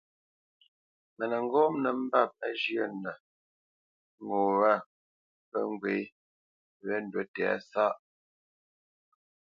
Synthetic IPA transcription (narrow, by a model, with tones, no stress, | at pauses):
mə˨nə˨ŋ˦ɡɔ˦mnə˨m̩˦ba˦˨p̚ə˦d͡ʒjə˦˨nə˨ | ŋo˨wa˦˨ | pə̰˦ŋ˦ɡwe˨˦ | βɛ˦n˨dwə˨tɛ˨a̰˦sa˦ʔ